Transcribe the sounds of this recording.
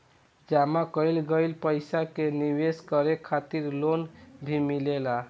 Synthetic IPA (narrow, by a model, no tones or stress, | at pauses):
d͡ʒamakəjlɡəjlpəjsakeniweskəɾekʰat̪iɾlonbʱimilela